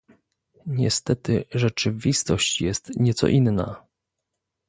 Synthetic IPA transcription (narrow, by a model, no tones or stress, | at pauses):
ɲɛst̪ɛt̪ɘʐɛt͡ʂɘvʲist̪ɔɕt͡ɕjɛst̪ɲɛt̪sɔ̰ʔinːa̰